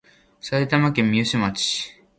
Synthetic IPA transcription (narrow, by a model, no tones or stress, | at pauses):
saet̪amakẽmːioɕɨmat͡ɕi̥